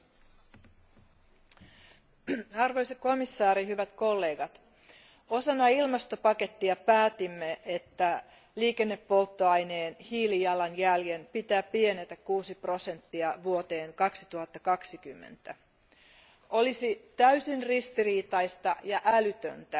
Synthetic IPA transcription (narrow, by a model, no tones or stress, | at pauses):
ɑrʋo̞jsɑkko̞misːɑːɾiɦyʋæt̪ko̞lːe̞ːɡɑt̪ | o̞sɑnːɑilmɑst̪o̞pɑke̞t̪ːiɑpæːt̪imːeʔet̪ːæ | liːke̞nːepːo̞lt̪ːoɑjne̞ːnhiːlijɑlɑnjæljenpit̪æːpienet̪ækkːuːsipro̞se̞nt̪ːiɑʋuot̪e̞ːŋkɑksi̥t̪uhɑt̪ːɑkɑksikymːḛnt̪æ | o̞lisit̪æysinrist̪iriːt̪ɑjst̪ɑjɑʔælyt̪ø̰nt̪æ